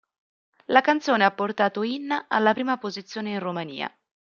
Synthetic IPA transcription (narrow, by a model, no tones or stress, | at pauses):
lakant̪soːneapːort̪aːt̪oinːaa̰lːapɾiːmapozit̪sːjoːneinromanḭːa̰